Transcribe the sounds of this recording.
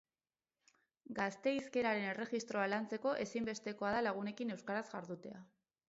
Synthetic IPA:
ɡast̪e̞iske̞ɾaɾe̞ne̞re̞ɣist̪ɾo̞alant͡se̞ko̞ʔe̞simbe̞st̪e̞ko̞aðalaɣ̞une̞kine̞wskaɾazɣaɾðut̪e̞a

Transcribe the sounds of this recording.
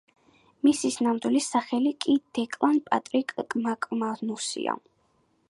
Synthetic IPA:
misisnamd̪wilisaχɛlikʼid̪̥ɛkʼlˠanpʼat̪ʼɾikʼkʼmakʼmanusḭa̰

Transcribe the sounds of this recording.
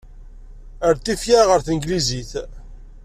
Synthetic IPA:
əɾt̪ːifjaʁəɾθənɡliziθ

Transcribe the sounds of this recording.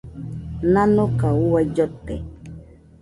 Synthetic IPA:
nanokauwajd͡ʒot̪ḛ

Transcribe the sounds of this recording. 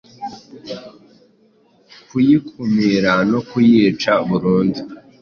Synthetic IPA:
kujikʰumiɾanokujiːt͡ʃaβuɾuːndi

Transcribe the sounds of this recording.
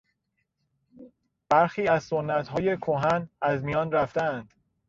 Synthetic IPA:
b̥æɾxiːæzsonːæt̪hɒːje̞kʰoɦænæzmijɒːnɾæft̪æænd̪̥

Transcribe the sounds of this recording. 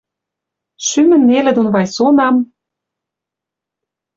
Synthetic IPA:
ʃymɘ̆nːelĕd̪onβɑjsonɑm

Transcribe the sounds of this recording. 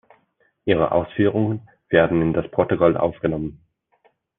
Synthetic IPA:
ʔiːʁ̞ə̰ʔa̰ʊsfyːʁ̞ʊŋən | v̥eːɐdn̩ɪndaspʰʁ̥otʊkɔlʔa̰ʊfɡ̥ənɔmən

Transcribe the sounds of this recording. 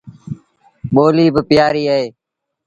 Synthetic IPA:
ɓoːliːbɪpɪjaːɾiːəɦeː

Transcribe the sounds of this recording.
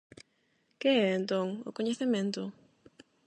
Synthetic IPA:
keɛent̪õŋʊkoɲeθemẽnt̪ʊ

